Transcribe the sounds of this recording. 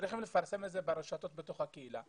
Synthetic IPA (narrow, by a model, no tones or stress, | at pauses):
ɾiχimlefaʁsemezebeɾeʃat̪o̞t̪bet̪o̞χhakeila̰